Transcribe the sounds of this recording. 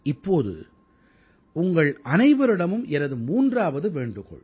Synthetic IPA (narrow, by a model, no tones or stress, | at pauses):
ɪpːoːðɯ̰ | ʊŋɡɐɭɐnɐɪʋɐɾɪɽɐmɯmʔɛɾɐðɯmuːndraːʋɐðɯʋeːɳɖɯɣɔ̰ɭ